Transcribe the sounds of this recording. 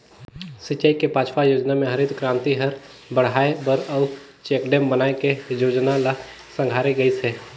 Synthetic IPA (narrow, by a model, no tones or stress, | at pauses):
sɪt͡ʃaikepaːt͡ʃʰpajoːd͡ʒnamẽɦɐɾɪd̪kɾãːnt̪iɦəɾ | bəɽ̤aːebəɾəʊ | t͡ʃeːkɖeːmbənaːekejoːd͡ʒnala | sə̃ŋɡʱaːɾeɡəiseː